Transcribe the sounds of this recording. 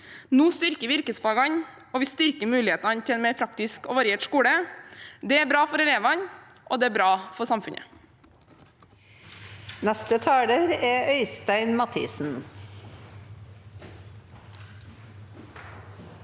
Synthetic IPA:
nuːst̪ʏɾkəʋɪɾkəsfɑːɡɑɲ | ɔʋɪst̪ʏɾkəmʉːlɪheːt̪nɑɲt̪ʰɪɛnmeːɾpʰɾɑkt̪ɪskɔʋɑɾɪeːʈskuːɽəd̪ɛæɾbɾɑːfɔɾɛleːʋɑn | ʔɔ̰d̪ɛːæbɾɑːfɔɾsɑmfʉɲʔə̰ | nɛst̪ət̪ʰɑːɽəɾæœʏst̪æɪnmɑt̪ʰḭːsn̩

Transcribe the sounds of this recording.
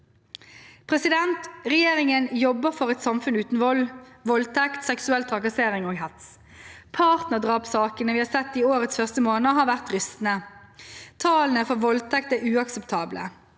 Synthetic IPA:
pʰʁɛsɪd̪ɛnt̪ʁɛjeːʁɪŋənjɔbːəfɔʁɛɪt̪sɑmfʉnʉːt̪n̩ʋɔlʋɔlt̪ʰɛkt̪sɛksʉɛlt̪ʰʁɑkɑseːʁɪŋoːɡɦɛt̪s | pʰɑːʁt̪nəʁd̪ʁɑːpsɑːkənəʋiːhɑːsɛt̪ːiːoːʁət̪sfœʁst̪əmoːnəɦɑːʁʋæʁt̪ʁʏst̪n̩ə | t̪ʰɑːlənəfɔʋɔlt̪ʰɛk̚t̪æːʁʉːɑksəpt̪ʰɑːblə̰

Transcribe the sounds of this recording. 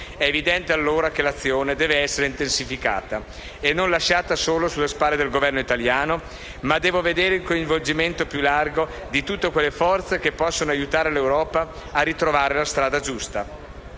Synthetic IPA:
ɛevid̪ɛnt̪ealːoːɾakelat̪sːjoːned̪ɛːveɛsːeɾeint̪ensifika̰ːt̪a | enːonlaʃaːt̪asoːlosulːespaːlːed̪elɡovɛrnoit̪aljaːno | mad̪ːɛːvoved̪eːɾeilkoiɱvold͡ʒiment̪opjulːarɡo | d̪it̪ut̪ːekwelːefɔrt̪sekepːɔsːonoajut̪aːɾelewɾɔːpaːrːit̪ɾovaːɾelast̪ɾaːd̪ad͡ʒust̪a

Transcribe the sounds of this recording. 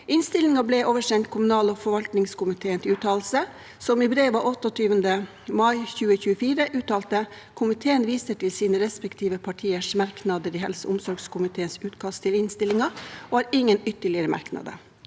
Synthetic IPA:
ɪnst̪ɪlɪŋɑblɛʔoːʋəʂɛnt̪̚kʰʊmʉnɑːloːfɔɾʋɑlt̪nɪŋskʊmɪt̪ʰeːənt̪ʰɪʉːt̪ʰɑːlsə | sɔmɪbɾeːʋɑʔɔt̪ːɔt̪ʰyːʋənd̪ə | mɑɪçʉːəçʉːəfiːɾəʔʉːt̪ɑːlt̪ə | kʰʊmɪt̪ʰeːənʋiːsəʈɪlsiːnəɾɛspɛkt̪ʰiːʋəpʰɑʈʰiːəʂmɑɾknɑd̪əɾiːhɛ̰lsə̰ʔʊmsɔɾɡskʰʊmɪt̪ʰeːənsʉːt̪kʰɑst̪ʰɪlɪnst̪ɪlɪŋɑoːhɑːɾɪŋːənʏt̪ːəɭɪəɾəmɑ̰ɾknɑ̰d̪ə̰

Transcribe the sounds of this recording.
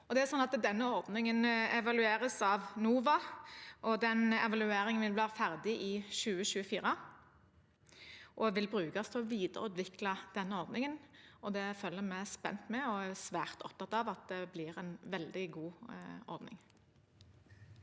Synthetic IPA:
ɔd̪ɛæɾsɔnːɑt̪d̪ɛnːəɔʁd̪nɪŋənɛʋɑlʉeːɾəsɑʋnuːʋɑʔɔd̪ɛnɛʋɑlʉeːɾɪŋənʋɪlʋæːɾəfæʁd̪ɪʔɪʃʉːəɕʉːəfiːɾə | ʔɔʋɪlbɾʉːkɑst̪ʰɔʋiːd̪əɾəʉːt̪ʋɪklɑd̪̥ɛnːəɔɾd̪nɪŋənɔd̪ɛføːlːəɾmæɪspɛ̰nt̪mɛɔæsʋæːʁt̪ʰɔ̰pt̪ɑt̪ɑʋɑt̪d̪ɛblɪɾɛnʋɛld̪ɪɡuːʔɔ̰ɾd̪nɪ̰ŋ

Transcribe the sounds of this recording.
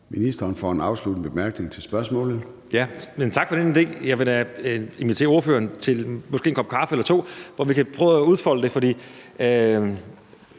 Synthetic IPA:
minisd̥ɐːnfɒ̰enɑ̈ʊslud̥n̩b̥emæɐɡ̥ne̝ŋt͡sʰe̝lsb̥ɶɐsmɔ̰̽ːlð̩ˠ | jæment͡sʰɑ̈ɡ̥fɒ̽ɾ̥enid̥e̝̰ːjɑ̈ɪʋe | e̝nʋit͡sʰe̝̰ɐo̝ɐfø̰ːɐːnt͡sʰe̝lmɒsɡ̥e̝̰ːnkʰɒ̽b̥̚kʰɑ̈ːfəelɐt͡sʰo̝̰ːʋɒʋikʰæpʰʁœːʊuð̞ˠfɒ̽l̰əd̥e̝fɒ̽d̥ḭː

